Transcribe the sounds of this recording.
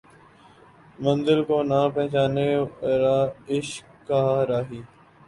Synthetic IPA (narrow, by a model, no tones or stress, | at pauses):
mə̃nzɪlkoːnaːpɛ̃ɦt͡ʃaːneːɾaːɪʃkkːaːɾaːɦiː